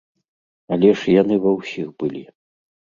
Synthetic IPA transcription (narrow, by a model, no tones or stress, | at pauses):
ɐlʲɛʂjanɨvɐwsʲixbɨlʲi